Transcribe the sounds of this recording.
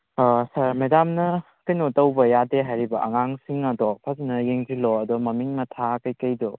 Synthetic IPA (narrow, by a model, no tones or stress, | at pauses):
sɐɾmedamnɐ | kɐjnotɐwbɐjadeɦajɾibɐʔɐŋaŋsiŋɐdɔpʰaznɐjeŋzilɔɐdɔmɐmiŋmɐtʰakɐjkɐjdɔ